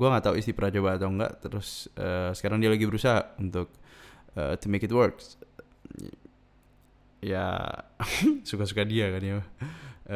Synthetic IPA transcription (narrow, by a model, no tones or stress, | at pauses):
ɡuaŋaʔt̪auist̪ipəɾad͡ʒabat̪aŋɡa̰ʔt̪əɾʊsəːsə̥kaɾaŋdialaɡibəɾusaɦaunt̪ʊk̚ə̰ːt̪umekɪt̪wərk | ja̰ | sukas̬ukadiakanɲaba